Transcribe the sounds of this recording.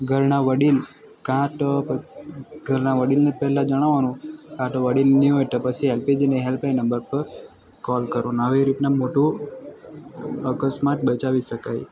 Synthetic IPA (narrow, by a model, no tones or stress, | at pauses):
ɡʱəɾɳaʋəɽil | kãʈ | ɡʱəɾnaʋəɽilnepɛɦɛlãd͡ʒəɽ̃aʋanũkãʈoʋəɽilniɦojt̪əpət͡ʃʰiɦelped͡ʒeneɦelplajnəmbəɾpəɾ | kɔlkəɾonaʋeɾit̪namoʈũ | əkəsmaʈbət͡ʃaʋiʃəkaj